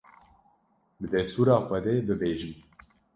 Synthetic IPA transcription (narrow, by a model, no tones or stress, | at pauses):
bɨd̪ɛst̪uːɾaːxʷɛd̪eːbɨbeːʒɨm